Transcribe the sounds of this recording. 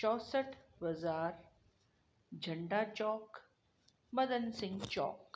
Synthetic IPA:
t͡ʃɔːsəʈʰbɐzaːɾ | d͡ʒʱəɳɖaːt͡ʃɔːk | mɐd̪ənsɪ̃ŋɡt͡ʃɔ̰ːk

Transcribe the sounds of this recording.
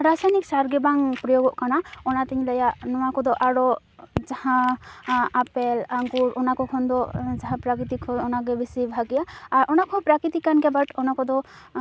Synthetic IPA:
ɾasajniksaɾɡɛbaŋpɾɔjoɡɔʔkanaɔnat̪iɲləjaʔnɔwakɔd̪ɔʔaɾɔ | d͡ʒahã | apelaŋɡuɾɔnakɔkʰɔnd̪ɔd͡ʒaɦãpɾakɾit̪ikʰɔɔnaɡɛbʱisibʱaɡijaːɾʔɔnakʰɔ̃pɾakɾit̪ikːanɡɛbaʈɔnakɔd̪ɔ

